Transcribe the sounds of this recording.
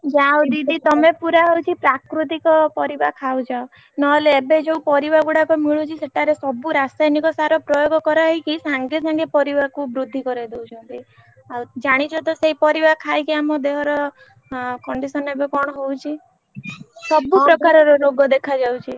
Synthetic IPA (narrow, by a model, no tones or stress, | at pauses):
d͡ʒawd̪id̪ʱit̪ɔmepuɾaɦɔwt͡ʃʰipɾakɾut̪̬ikɔpɔɾibakʰawd͡ʒao | nɔleːbed͡ʒewpɔɾibaɡuɽakɔmiɭut͡ʃʰiseʈʰaɾesɔbuɾasajnikɔsaɾɔpɾɔjoɡɔkɔɾaikisaŋɡesaŋɡepɔɾibakubɾud̪ʱːikɔɾid̪ewt͡ʃʰɔnt̪i | awd͡ʒaɽ̃it͡ʃʰɔt̪ɔseɦipɔɾibakʰajkiamɔd̪eɦɔɾɔ | kɔɳɖisɔnebekɔɽ̃ɔɦowt͡ʃʰi | sɔbupɾɔkaɾɔɾɔɾoɡɔd̪ekʰad͡ʒawt͡ʃʰi